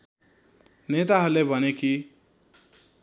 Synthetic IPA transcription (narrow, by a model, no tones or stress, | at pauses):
net̪aɦʌɾulebʱʌneki